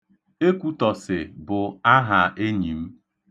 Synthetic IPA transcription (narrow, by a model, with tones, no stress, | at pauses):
e˦kʷu˦tɔ˨sɪ˨bʊ˨a˦ɦa˨ʔe˦ɲi˨m̩˦